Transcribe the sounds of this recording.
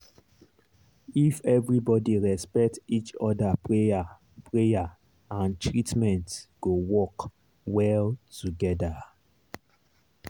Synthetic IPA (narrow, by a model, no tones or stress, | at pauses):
ifɛvɹibɔdiɹɛspɛk̚tit͡ʃɔdapʰɹea | pʰɹeja | ãntɹitmɛ̃ntɡ̥owɔk | wɛltuɡɛda